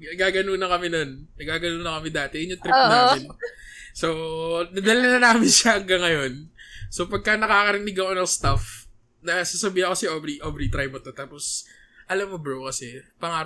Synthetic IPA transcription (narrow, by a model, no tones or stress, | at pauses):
nɐɡaːɡɐnuːnɐkɐmɛnonnɐɡaːɡɐnuːnɐkɐmɪd̪aːt̪ɛjʊnːot̪ɾɪpːnaːmɪnsonɐd̪ɐlɐnɐnaːmɪnʃɐhɐŋɡɐŋɐjo̞nso̞pɐɡ̚kɐnɐkaːkɐɾɪnɪɡɐŋonɐŋst̪af | nɐsasɐbiːhɐkɐsɛʔobɾiʔobɾit̪ɾajmɐt̪ot̪aːpos | ʔɐlamːobɾowkɐsɛpɐŋaːɾ